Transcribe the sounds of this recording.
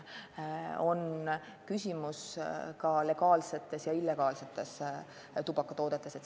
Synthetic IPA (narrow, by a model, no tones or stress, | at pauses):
o̞n | kysʲimuskɑle̞ɡ̥ɑːlse̞t̪ːˑe̞sjɑilːe̞ɡ̥ɑːlse̞t̪ːˑe̞s | t̪ub̥ɑkːˑɑt̪o̞ːd̪̥et̪ːˑe̞set̪